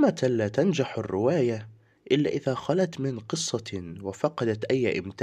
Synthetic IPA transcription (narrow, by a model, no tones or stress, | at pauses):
mat̪alaːt̪and͡ʒaħarːɪwaːja | ʔɪlːa̰ːʔɪðaːxalat̪mɪnqɨsˤːɑwafɑqɑd̪at̪ʔajːʔɪ̰mt̪ː